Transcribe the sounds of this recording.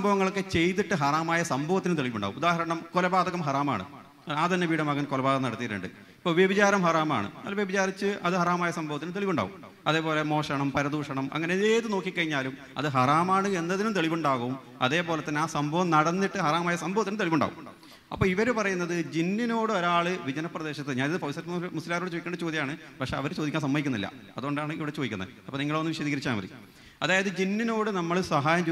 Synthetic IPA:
ɐmbʱɐʋɐŋːɐɭokːet͡ɕe̞jt̪iʈːɨɦɐraːmaːjɐsɐmbʱɐʋɐt̪ːinɨmt̪e̞ɭiʋuɳɖa̰ːumud̪aːɦɐɾɐɳɐmkolɐbaːd̪ɐkːɐmɦɐraːma̰ːɳɨ̰ | aːt̪ɐnːeʋiːɽɐmɐɣɐnkolɐbaːðɐmnɐɽɐt̪ːijɐɾɨ̰ɳɖɨ | ipːoːʋjebɐt͡ɕaːɾɐmɦɐraːma̰ːɳɨ̰nɐ̰lːɐʋjebɐt͡ɕaːɾit͡ɕːɨʔɐðɨɦɐraːmaːjɐsɐmbʱɐʋɐt̪ːinɨmt̪eɭiʋuɳɖa̰ːʋum | ɐðe̞ːpo̞ːle̞mo̞ːʂɐɳɐmpɐɾɐd̪uːʂɐɳɐmɐ̰ŋːɐneeːtɨno̞ːkːikːɐɻiɲːaːlum | ɐ̰ðɨɦɐraːmaːɳɨe̞nːɐðinumt̪e̞ɭiʋuɳɖaːɣɐʋum | ɐ̰ðe̞ːpoːlet̪ːɐnːeaːsɐmbʱɐʋɐmnɐɽɐnːiʈːɨɦɐraːmaːjɐsɐmbʱɐʋɐt̪ːinɨmt̪e̞ɭiʋuɳɖa̰ːṵm | ɐpːoːiʋɐɾupɐrɐjunːɐðɨd͡ʑinːino̞ːɽɨo̞ɾaːɭɨʋid͡ʑɐnɐprɐðe̞ːɕɐt̪ːɨɲaːniðɨpɐʋsɐtːɐmmusilaːɾoːɽɨt͡ɕoːjikːɳɖɐt͡ɕo̞ːd̪jɐjaːɳɨpɐkʂe̞ɐʋɐɾt͡ɕo̞ːd̪ikʲːaːnsɐmːɐjikʲːunːilːɐ̰ | ɐðuɣoɳɖaːɳɨiʋiɽet͡ɕo̞ːdikːunːɐ̰ɨɐpːoniŋːɐɭonːɨʋiʂɐðiːɣɐɾit͡ɕːaːmɐrḭ | ɐðaːjɐðɨd͡ʑinːino̞ːɽɨnɐmːɐɭsɐɦaːjɐmt͡ɕː

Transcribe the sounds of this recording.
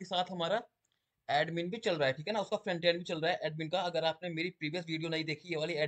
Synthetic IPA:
esaːt̪ʰɦɐmaːɾa | ɛːɖmĩːnbʱit͡ʃɐlɾaɦɛʈʰiːkɦɛnaʊskafɾɛ̃ɳʈeːnbʱit͡ʃɐlɾaːɦɛʔɛːɖmĩːnkaɐɡəɾaːpnemeːɾipɾiːʋijəs̬ʋiːɖijonɐ̃ĩd̪eːkʰieʋaːliɛː

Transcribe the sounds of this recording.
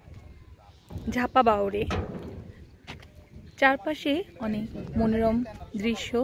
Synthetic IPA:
d͡ʑʱapabawɾe | t͡ɕaɾpaʃeɔnekmonoɾɔmd̪ɾiʃːo

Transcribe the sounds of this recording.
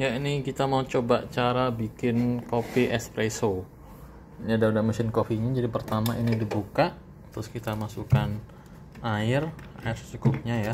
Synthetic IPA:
jainikit̪amaut͡ʃobaʔt͡ʃaɾabikɪnkopiʔɛspɾeso | ɲadaudaməsɪnkofiɲad͡ʒadipərt̪amainidibukaʔ | t̪əɾʊskit̪amasukan | aɪraɪrssuɡʊp̚ɲaja

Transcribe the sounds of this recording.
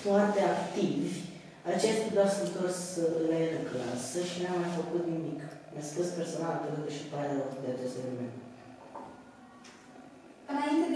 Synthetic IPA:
foart̪eakt̪ivʲ | at͡ʃest̪ʲd̪asənt̪orsɨlaeɾəkla̰səʃinamːajfəkut̪nimiknəskuspersonalb̪elək̪əʃipaɾlelot̪d̪eat͡ʃest̪elemḛ̃nt̪ | ɨnaint̪ed̪

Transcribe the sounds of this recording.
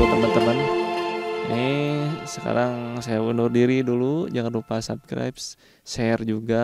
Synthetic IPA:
t̪əmənt̪əmən | nisəka̰ɾaŋsajaunʊrdiɾidulud͡ʒaŋanrupasa̰bskɾa̰jps | ʃɛrd͡ʒuɡa

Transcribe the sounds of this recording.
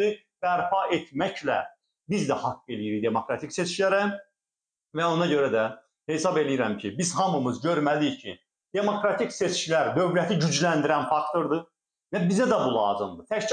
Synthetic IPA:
i | b̥æɾpʰɑʔet̪ʰmæclæ̰ | bizd̪æhɑkːelijiɾijd̪e̞mo̞kɾɑt̪ʰicse̞t͡ʃcilæɾæ | væo̞nɑɟø̞ɾæd̪æ | he̞sɑbe̞lijiɾæmcʰibizhɑmɯmɯzɟø̞ɾmælicʰḭ | d̪̥e̞mo̞kɾɑt̪ʰicse̞t͡ʃcilæɾd̪ø̞vɾæt̪ʰiɟyd͡ʒlænd̪iɾænfɑkt̪ʰo̞ɾd̪ɯ | væbizæd̪æbulˠɑ̰ːzɯmd̪ɯt̪ʰæct͡ʃ

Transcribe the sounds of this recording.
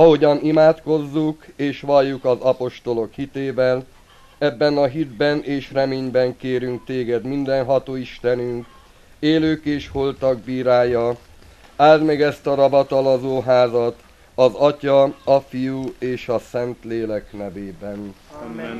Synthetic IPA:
ɒɦo̞ɟɒnimaːt̪ko̞zːukeːʃʋɒlːukɒzɒpo̞ʃt̪o̞lo̞khit̪eːvɛl | ɛbːɛnɒɦid̪bɛneːʃrɛmeːɲbɛŋkeːɾyŋk̚t̪eːɡɛd̪mind̪ɛnɦɒt̪oːiʃt̪ɛnyŋk | eːløːkeːʃholt̪ɒɡ̚biːɾaːjɒ | aːld̪mɛɡɛst̪ɒɾɒbɒt̪ɒlɒzoːɦaːzɒt̪ | ɒzɒcɒɒfijueːʃɒsɛnt̪leːlɛknɛveːbɛn

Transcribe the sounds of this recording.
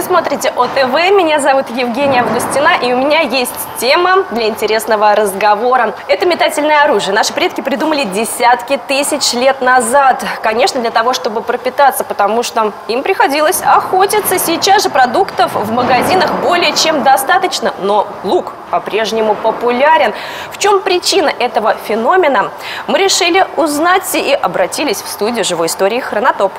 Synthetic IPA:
smot̪ɾʲitʲɪʔot̪ɛvɛmʲɪnʲazɐvut̪jɪvɡʲenʲɪjəɐvɡʊsʲtʲɪnaʔiʊmʲɪnʲajesʲtʲtʲe̞məd̪lʲɐɪnʲtʲɪɾʲe̞snəvəɾəzɡɐvo̞ɾəɛt̪əmʲɪt̪atʲɪlʲnəjəɐɾuʐɨjənaʂɨ̥pɾʲe̞t̪̚kʲɪpɾʲɪd̪uməlʲɪdʲɪsʲat̪kʲɪt̪ɨsʲɪt͡ɕlʲe̞t̪nɐzat̪kɐnʲe̞ʂnəd̪lʲət̪ɐvo̞ʂt̪o̞bɨpɾəpʲɪt̪at̪sːəpət̪ɐmuʂt̪oimpɾʲɪxɐdʲilˠəsʲɐxo̞tʲɪt̪səsʲɪt͡ɕasʐɨpɾɐd̪ukt̪əfvməɡɐzʲinəxbo̞lʲɪjət͡ɕe̞md̪ɐst̪at̪ət͡ɕnəno̞ɡlˠuk | pɐpɾʲe̞ʐnʲɪmʊpəpʊlʲaɾʲɪn | ft͡ɕo̞mpɾʲɪt͡ɕinəʔɛt̪əvəfʲɪno̞mʲɪnə | mɨɾʲɪʂɨlʲɪʊznatʲiʔɐbɾɐtʲilʲɪsʲfst̪udʲɪʊʐɨvo̞jɪst̪o̞ɾʲɪːxrənɐt̪o̞p

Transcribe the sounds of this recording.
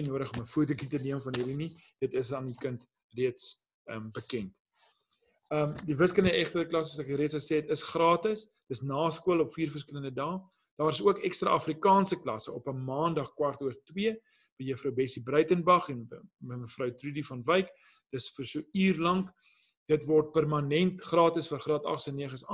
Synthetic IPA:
nuəɾəχɔməfuətukitəniəmfɐnɦiɾini | d̥ətəs̬ɑːndikənt | riəts | əmbəkɛnt | əːmdivəskələndəɛχtəklɐssuəsɛkɾiətsəsɛtəsχrɑːtəs | d̥əsnɑːskuəlɔpfiːrfərskələndədɑː | d̥ɑːɾəsuəkɛkstrɑ̰ːɐfrikɑːnsəklɐ̰səɔpəmɑːndɐχkwɐrtuərtwiə | b̥əjəfɾəwbɛsibrœɥtənbɐχɛnəməfrœwtrudifɐnvəjk | d̥əsfərsuyːrlɐŋk | d̥ətvɔrt̚pærmɐnɛntχrɑːtəsfərχrɑːtɐ̰χsənːiəχəsɑ

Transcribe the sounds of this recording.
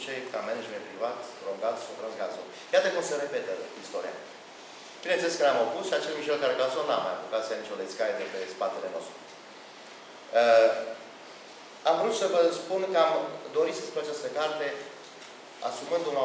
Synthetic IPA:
t͡ʃejkamened͡ʒmenpɾivat̪ɾoŋɡat̪sofɾɨnsɡazon | jat̪əkumsəɾe̞pe̞t̪əist̪o̞ɾḭja̰ | pinet͡ʃest̪kaɾeamopusʃiat͡ʃelmiʃelkaɾeɡazonnamajapukat̪sijanit͡ʃʲolesʲkaɾed̪epespat̪ele̞no̞̰st̪ɾu | ə | amvəɾut̪səvəspunkəamd̪o̞ɾit̪səspunat͡ʃast̪əkart̪e̞ | a̰sumɨnd̪una

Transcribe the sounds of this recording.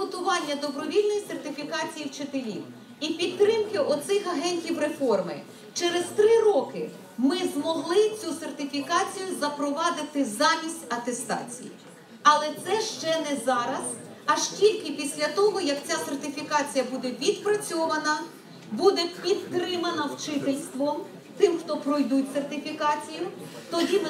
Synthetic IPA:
ɔt̪ʊʋɑnʲːɐd̪ɔbɾɔʋʲilʲnɔjisert̪ɪfʲikɑt͡sʲijiwt͡ʃet̪elʲḭw | ipʲid̪̚t̪ɾɪmkɪʔɔt̪sɪxɐɦɛnʲtʲiwɾefɔrmɪ̰ | t͡ʃeɾezt̪ɾɪrɔkɪ | mɪzmɔɦlˠɪt͡sʲusert̪ɪfʲikɑt͡sʲijʊzɐpɾɔʋɑd̪ɪt̪ɪzɑmʲisʲtʲɐt̪est̪ɑ̰t͡sʲḭjḭ | ɐlˠɛt̪sɛʃt͡ʃɛnɛzɑɾɐz̥ | ɐʒtʲilʲkɪpʲisʲlʲɐt̪ɔɦɔjɐkt͡sʲasert̪ɪfʲikɑt͡sʲijɐbud̪ɛʋʲid̪pɾɐt͡sʲɔʋɐnɐ | bud̪ɛpʲid̪t̪ɾɪmɐnɐwt͡ʃɪt̪elʲst̪ʋɔm | t̪ɪmxt̪ɔpɾɔjd̪ut̚ʲsert̪ɪfʲikɑt͡sʲijʊt̪ɔdʲim

